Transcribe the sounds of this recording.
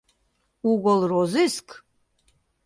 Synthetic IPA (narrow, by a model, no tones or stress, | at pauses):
uɡʷɔlrozɨskʰ